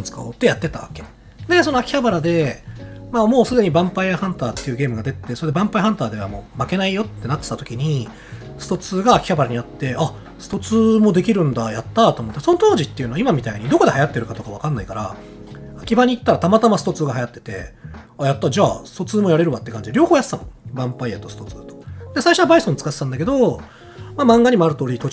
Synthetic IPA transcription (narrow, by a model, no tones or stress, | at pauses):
t͡sɨ̥kaot̪ːe̞jat̪ːe̞t̪aβa̰ke̞̥ | d̪e̞s̬o̞noakʲi̥çabaɾad̪e̞ | maːmo̞ːsɨd̪e̞ɲ̟ibãmpaiahãnt̪aːt̪ːe̞iɯ̟ɡʲe̞ːmɯɡad̪e̞t̪ːeso̞ɾe̞d̪e̞bãmpaiɦãnt̪aːd̪e̞β̞a̰mo̞ːmake̞naijo̞t̪ːe̞nat̪ːe̥t̪at̪o̞kʲiɲ̟i | sɨ̥t̪o̞t͡sɨːɡaːkʲi̥çabaɾaɲ̟iat̪ːe̞a | sɨ̥t̪o̞t͡sɨːmo̞d̪e̞kʲiɾɯ̟̃nd̪ajat̪ːat̪o̞ːmot̪ːso̞not̪o̞ːʑit̪ːe̞iɯ̟no̞aimamʲit̪aiɲ̟id̪o̞ko̞d̪e̞hajat̪ːe̞ɾɯ̟kat̪o̞kaβ̞akãnːaikaɾa̰ | akʲibaɲ̟iːt̪ːaɾat̪amat̪amasɨ̥t̪o̞t͡sɨːɡaɦajat̪ːe̞̥t̪e̞̰ajat̪ːad͡ʑaːsɨ̥t̪o̞t͡sɨːmo̞jaɾe̞ɾɯ̟βat̪ːe̞kãɲ̟d͡ʑid̪ɾʲjo̞ːho̞ːjassamõbãmpaijat̪ːosɨ̥t̪o̞t͡sɨːt̪o̥d̪e̞saiɕoabaisõnt͡sɨ̥kat̪t̪ãnd̪ake̞d̪o̞ | mamãŋɡaɲ̟imoaɾɯ̟t̪o̞ːɾʲit̪o